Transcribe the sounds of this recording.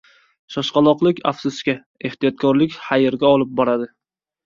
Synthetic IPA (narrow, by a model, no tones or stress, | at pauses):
ʃɒʃqɑlˠɒqlˠɪkʲa̰fsʊskʲa | e̞ht̪ijɒt̪̚kʰɒɾlɪkʲhajɪɾɡʲaɒlˠɪp̚bɒɾad̪ɪ